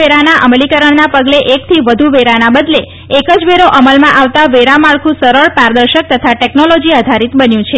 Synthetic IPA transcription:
eɾanaʔəmlikəɾəɳnapəɡleʔek̚t̪ʰiʋəd̪ʱuʋeɾanabəd̪le | ekəd͡ʒʋeɾoʔəməlmãʔaʋt̪aʋeɾamaɭkʰũsəɾəɭpaɾd̪əɾʃək̚t̪ət̪ʰaʈeknolod͡ʒiəd̪ʱaɾit̪bənjũt͡ʃʰe

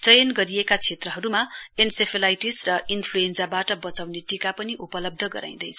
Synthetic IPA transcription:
t͡sʌjʌnɡʌɾiekat͡sʰet̪rʌɦʌɾumaensepʰelajʈisrʌʔinpʰluensabaʈʌbʌt͡sawneʈikapʌniʔupʌlʌb̚d̪ʱʌɡʌɾa̰j̃d̪ʌjt͡sʰʌ

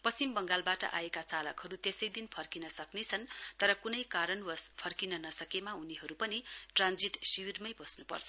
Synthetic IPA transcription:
pʌimbʌŋɡalbaʈʌ̰ʔa̰ekat͡salʌkhʌɾut̪esʌjd̪inpʰʌrkinʌsʌknet͡sʰʌnt̪ʌɾʌkunʌjkaɾʌnʌspʰʌrkinʌnʌsʌkemaɦuniɦʌɾupʌniʈrand͡ziʈsiwirmʌjbʌsnupʌ̰rt͡sʰʌ

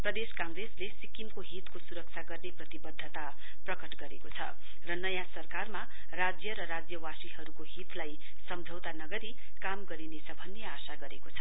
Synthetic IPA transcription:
prʌd̪eskãŋɡreslesikimkoɦit̪kosuɾʌk̚t͡sʰaɡʌrneprʌt̪ibʌd̪ʱːʌt̪a | prʌkʌʈɡʌɾekot͡sʰʌ̰ | rʌnʌjasʌrkarma | rad͡zjʌɾʌɾad͡zjʌwasiɦʌɾukoɦit̪laj | sʌmd͡zʱʌwt̪anʌɡʌɾi | kamɡʌɾinesʌbʱʌnːeasaɡʌɾekot͡sʰʌ

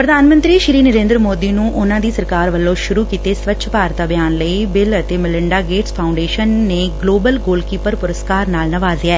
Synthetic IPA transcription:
pɾəd̪aːnmə̃nt̪ɾiːʃɾiːnəɾẽːnd̪ɾəmoːd̪iːnũːʔʊnãːd̪iːsəɾkaːɾʋəlːõːʃʊɾuːkiːt̪eːsʋətːʃʰpaːɾt̪aːbjaːnləiːbɪlət̪eːmɪlɪɳɖaːɡeːʈspʰaːʊ̃ɳɖeːʃənːeːɡloːbəlɡoːlkiːpəɾpʊɾəskaːɾnaːlnəʋaːzeɛː

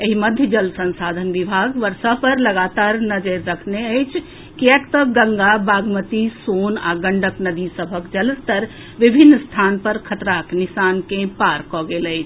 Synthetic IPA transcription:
eɦiməd̪ʱjəd͡ʒəlsə̃nsad̪ʱənʋibʱaɡʋəɾsəpəɾləɡat̪aɾnəd͡ʒəɾːəkʰneəjt͡ʃʰ | kiɛkt̪əɡəŋɡabaɡmət̪isona̰ɡəɳɖəknəd̪isəbʱəkd͡ʒələst̪əɾ | ʋibʱinːst̪ʰanpəɾkʰət̪ɾaknisankẽpaɾkɔɡeləɪt͡ʃʰ

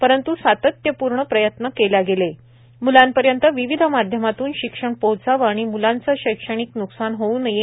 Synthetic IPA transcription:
pəɾənt̪usat̪ət̪jəpuɾɳəpɾəjət̪nəkeljaɡele | mulampəɾjənt̪əʋiʋid̪ʱmad̪ʱjəmat̪uːnɕikʂəɳpowt͡saʋaɽ̃imulant͡səɕəjkʂəɽ̃iknuksanɦounəje

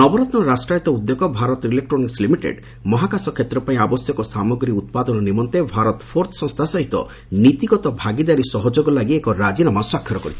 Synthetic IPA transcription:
nɔbɔɾɔt̪nɔɾasʈɾajit̪ɔud̪ːekɔbʱaɾɔt̪ɔilek̚ʈɾɔnikslimiʈḛɖ | mɔɦakasɔkʰet̪ɾɔpaĩabɔsjɔkɔsamɔɡɾiut̪̚pad̪ɔnɔnimɔnt̪ebʱaɾɔt̪ɔpʰoɾt̪ʰsɔ̃ŋ̃st̪ʰasɔɦit̪ɔ̰ | nit̪iɡɔt̪ɔbʱaɡid̪aɾisɔɦɔd͡ʒoɡɔlaɡiekɔɾad͡ʒinamaswakʰːjɔɾɔkɔɾit̪ʰi̥

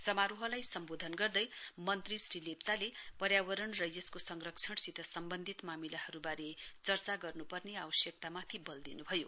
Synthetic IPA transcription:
sʌmaɾuɦʌlajsʌmbod̪ʱʌnɡʌrd̪ʌjmʌnt̪risrilep̚t͡salepʌɾjawʌɾʌɳrʌjjʌskosʌŋrʌk̚t͡sʰʌɽsit̪ʰʌsʌmbʌnd̪ʱit̪mamilahʌɾubaɾet͡sʌrt͡saɡʌrnupʌrneawʌsjʌk̚t̪amat̪ʰibʌld̪inubʱʌjo

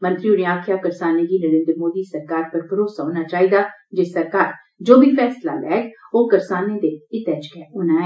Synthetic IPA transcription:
mə̃nt̪ɾiːʊɽẽːaːkʰjaːkəɾsaːneɡiːnəɽẽːnd̪ɾəmoːd̪iːsəɾkaːɾpəɾpəɾoːsaɦõːnaːt͡ʃaːiːd̪aːd͡ʒesəɾkaːɾ | d͡ʒoːbʱiːfʰɛːsla̰ːlɛ̰ːɡoːkəɾsaːneːd̪eːɪt̪ɛːd͡ʒkɛːʔʊnãːɦɛː

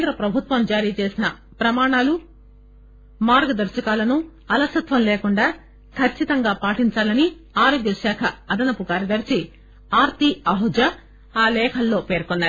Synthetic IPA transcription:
nd̪ɾɐpɾɐbʱut̪ʋɐmd͡ʒaːɾiːt͡ʃe̞ːsinɐ | pɾɐmaːɳaːlu | maːɾɡɐd̪ɐɾt͡ʃɐkaːlɐnu | ɐlɐsɐt̪ʋɐmleːkuɳɖaː | kʰɐt͡ʃʰːit̪ɐŋɡaːpaːʈiɲt͡ʃaːlɐni | aːɾoːɡjɐʃaːkʰɐːd̪ɐnɐpukaːɾjɐd̪ɐɾt͡ʃi | aːɾt̪iɐɦud͡ʒɐ | aːlɛːkʰɐlːo̞ːpe̞ːɾkonːaːɾ

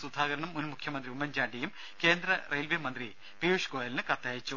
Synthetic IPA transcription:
sud̪ʱaːɡɐɾɐɳɐmːunmukʰjɐmɐnd̪riumːɐnd͡ʑaːɖijum | ke̞ːnd̪rɐrejlʋimɐnd̪ri | piːuʂkoːjɐlnɨkɐt̪ːjaːjit͡ɕːu

